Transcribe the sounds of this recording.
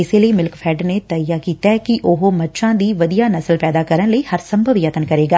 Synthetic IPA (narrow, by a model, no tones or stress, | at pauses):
ɪseːləiːmɪlkpʰɛːɖneːt̪əjaːkiːt̪aːkɪʔʊɦomətːʃʰãːd̪iːʋəd̪ijaːnəsəlpɛːd̪aːkəɾənləiːhəɾsəmbʱəʋjət̪ənkəɾeːɡaː